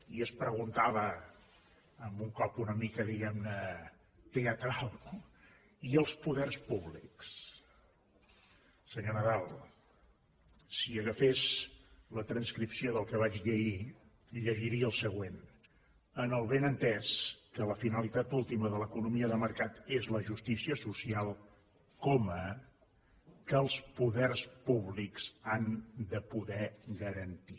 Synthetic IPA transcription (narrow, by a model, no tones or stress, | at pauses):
iəspɾəɣunt̪aβ̞ə | mbuŋkɔpunəmikəðiɣɛmnə | t̪eət̪ɾalˠ | iəlˠspuðɛrspuβlḭks | səɲonəðalˠ | siəɣəfezlət̪ɾənskɾipsioðəlˠkəβ̞at͡ʃʎəʒi | ʎəʒiɾiəəlˠsəɣwen | ənəlˠβenənt̪ɛskələfinəlit̪at̪ulˠt̪iməðələkunumiəðəməɾkat̪ezləʒust̪isiəsusialˠ | kɔmə | kəːlˠspuðɛrspuβlikz̥and̪əpuðɛɣəɾənt̪i